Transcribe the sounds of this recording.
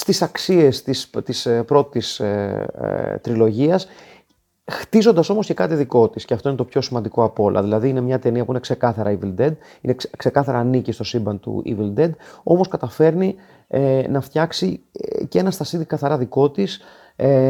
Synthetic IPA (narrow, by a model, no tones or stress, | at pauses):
st̪isɐksie̞st̪ist̪ispɾo̞t̪is | t̪ɾilo̞ʝiɐs | xt̪izo̞nd̪ɐso̞mo̞sce̞kɐt̪iðiko̞t̪isceɐft̪oinet̪o̞pço̞simɐnd̪iko̞ɐpo̞lʔɐ̰ðilɐðiine̞mɲɐt̪e̞niɐpuine̞kse̞kɐθɐɾɐivild̪ed̪̚ | ine̞kse̞kɐθɐɾɐːnicist̪o̞simbɐnt̪ṵḭvild̪ed̪o̞mo̞skɐt̪ɐfe̞ɾni | nɐft̪çɐksicee̞nɐst̪ɐsiðikɐθɐɾɐðiko̞t̪is | e